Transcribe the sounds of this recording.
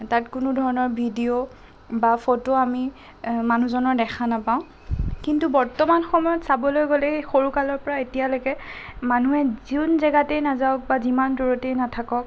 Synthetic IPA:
tatkʊnʊdʱɔɹɔnɔɹbʱidio | bapotoami | manuzɔnɔɹdɛxʰanapaʊ̃ | kintubɔɹtɔmanxɔmɔjɔtsabɔlojɡolɛxoɹukalɔɹpɔɹaetijalojkɛmanuɛziunzɛɡatɛjnazaʊk̚bazimanduɹɔtejnatʰakɔk̚

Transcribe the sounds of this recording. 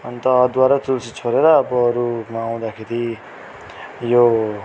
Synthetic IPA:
ʌnt̪ʌd̪waɾat̪ult͡sʰit͡sʰoɾeɾʌːbʌːɾumaːw̃d̪akʰeɾi | jo

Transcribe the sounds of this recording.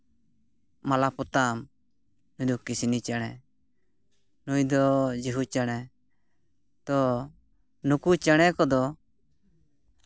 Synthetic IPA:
malapɔt̪am | nud̪ɔkisinit͡ʃəɽ̃ɛ | nujd̪ɔd͡ʒiɦut͡ʃəɽ̃ɛ | t̪ɔ | nukut͡ʃəɽ̃ɛkɔd̪ɔ

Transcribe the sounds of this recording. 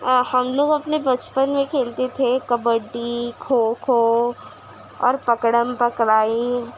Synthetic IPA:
hɐmloːɡɐpnebɐt͡ʃpənmẽkʰeːlt̪et̪ʰekɐbəɖikʰoːkʰo | ɔ̰ːɾpɐkɽəmpɐkɽaːi

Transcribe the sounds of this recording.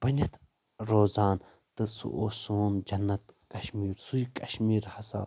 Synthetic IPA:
b̥ɐnʲɐt̪ʰ | ɾoːzaːn | t̪ɨsṵʔoːsuːnd͡ʒɐnːɐt̪kɐʃmiːɾsuikɐʃmiːɾhɐsa̰ː

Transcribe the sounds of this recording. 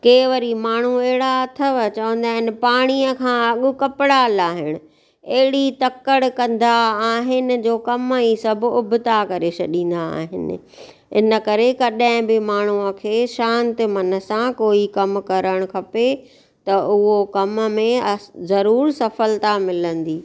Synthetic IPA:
keːʋəɾimaːɳ̤uɛɦɪɽaɐt̪ʰəʋt͡ɕɐʋə̃nd̪aːɦɪnɪ̆paːɽ̃iəkʰãɐɠʊ̆kɐpɪɽaːlaːɦɪɽ̃ʊ̆ | ɐɦɪɽit̪ɐkəɽkɐ̃nd̪aaːɦɪnɪ̆d͡ʑoːkɐmiːsɐbʱʊbʱɪt̪akɐɾesʰɐɗĩːnd̪aa̰ːɦɪ̰nɪ̰̆ | ɪ̰nə̆kɐɾekɐɗaɪ̃bɪmaːɳ̤uəkʰeːʃãːnt̪ɪ̆mɐnə̆sãkoːikɐmkɐɾəɽ̃kʰɐpe | t̪ɐʊɦokɐmmẽɐzɐɾuːɾsɐfəlt̪amɪlə̃nd̪iː

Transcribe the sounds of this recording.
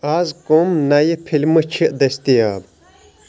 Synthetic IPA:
aːzkomnɐjipʰilʲmɨt͡ʃʰiʔd̪est̪ijaː

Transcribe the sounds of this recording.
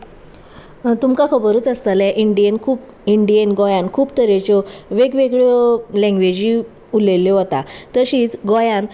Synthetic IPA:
t̪umkakʰəbəɾuːt͡səst̪alɛʔiɳɖijənkʰuːp | iɳɖijənɡɔjãnkʰuːpt̪əɾet͡ɕɔʋeɡʋeɡɭjɔlɛ̃ŋɡʋed͡ʑi | ulelːjɔɦot̪at̪əɕiːt͡sɡɔjãn

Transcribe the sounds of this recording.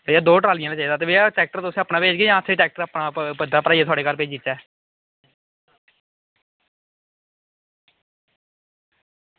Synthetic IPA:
eːaːd̪oːʈɾaːlɪjãːnaːt͡ʃaːiːd̪aːt̪eːʋeaʈɛːk̚ʈəɾt̪ʊsẽaːpnãːpeːd͡ʒɡeːjãːət̪ʰːeːʈɛːk̚ʈəɾaːpnaːpəd̪aːpɾaːiaːt̪owaːɽeːkəɾpeːd͡ʒit̪ːɛː

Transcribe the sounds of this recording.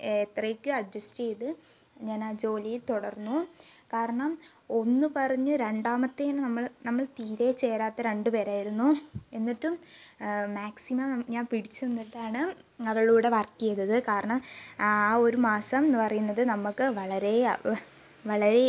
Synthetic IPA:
et̪rɐkʲːuɐɖːɐsʈejðɨ | ɲaːnaːd͡ʑo̞ːlijilt̪oɽɐrnːukaːɾɐɳɐm | o̞nːɨpɐrɐɲːuɾe̞ɳɖaːmɐt̪ːeːnːɨnɐmːɐɭnɐmːɐɭt̪iːɾeːt͡ɕːe̞ːɾaːt̪ːɐɾe̞ɳɖɨpe̞ːɾaːjiɾunːue̞nːiʈːum | maːksimɐmɲaːnpiɽit͡ɕːuenːiʈːaːɳɨ | ɐʋɐɭuːɽe̞ʋɐrkːijɐðɐðɨkaːɾɐɳɐmː | o̞ɾumaːsɐmːpɐrɐjunːɐðɨnɐmːukːɨʋɐɭɐɾe̞ | ʋɐɭɐɾe̞

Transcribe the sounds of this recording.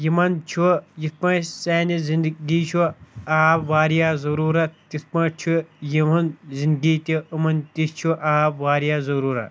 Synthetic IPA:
jimɐnt͡ʃʰujit̪̚pɐ̃seːnizind̪ɡiːt͡ʃʰuaːbʋaːɾjaːzɐɾuːɾɐt̪it̪pɐ̃t͡ʃʰujimɐnzind̪ɡiːt̪iɨmɐnt̪ist͡ʃʰuʔaːbʋaːɾjaːzɐɾuːɾɐ̰

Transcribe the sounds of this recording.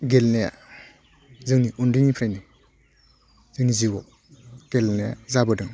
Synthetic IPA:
ɡelnaja̰ | zɯŋniundiŋipʰɾajnɯ | zɯŋniziwɔ | ɡ̥elnaja̰zabɯdɯŋ

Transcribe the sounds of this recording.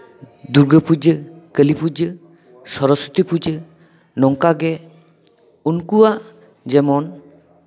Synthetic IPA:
d̪uɾɡəpud͡ʒəkəlipud͡ʒə | sɔɾɔsu̥t̪ipud͡ʒə | nɔŋkaɡɛ | unkuwa | d͡ʒɛmɔn

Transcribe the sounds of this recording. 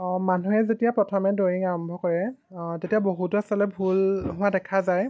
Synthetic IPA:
manuɛzetijapɹɔtʰɔmɛdojiŋaɹɔmbʱɔkɔɹɛtetijaboɦutuasɔlɛbʱulɦʊwadɛkʰazaj

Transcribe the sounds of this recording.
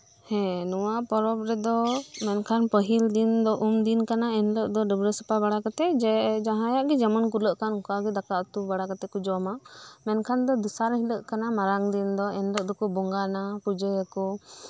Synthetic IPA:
hɛ̃nɔwapɔɾɔpɾɛd̪ɔmɛnkʰanpəɦild̪ind̪ɔʔumd̪inkanaɛnləʔd̪ɔɖəbɾəsə̥pabaɽakat̪ɛd͡ʒɛd͡ʒaɦãjaʔɡɛd͡ʒamankuləʔkankaɡɛd̪akaʔt̪ubaɽakat̪ɛkud͡ʒɔmamɛnkʰand̪ɔd̪isaɾɦiləʔkanamaɾaŋd̪ind̪ɔɛnləʔ̚d̪ɔkubɔŋɡanapud͡ʒəjəkɔ

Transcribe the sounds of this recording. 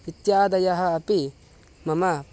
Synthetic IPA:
it̪jad̪ɐjɐɦɐɐpi | mɐmɐ

